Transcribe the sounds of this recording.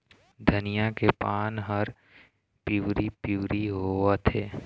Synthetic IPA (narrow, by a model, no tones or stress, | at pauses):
d̪ʱənɪjakepaːnɦəɾ | piwɾipuːɾiɦoat̪ʰeː